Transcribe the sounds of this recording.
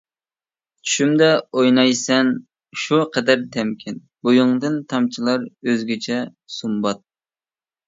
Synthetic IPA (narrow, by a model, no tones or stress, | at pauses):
t͡ʃʰy̥ʃymd̪ɛojnɑjsɛn | ʃuqʰɛd̪æɾt̪ʰɛmkʲʰɪn | bojuŋd̪ɨnt̪ʰɑmt͡ʃʰilˠɑɾøzɡʲɛt͡ʃʰɛ | sumbɑt̪̚